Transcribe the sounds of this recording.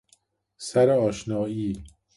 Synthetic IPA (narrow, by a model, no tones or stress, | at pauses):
sæɾeɒːʃnɒːiː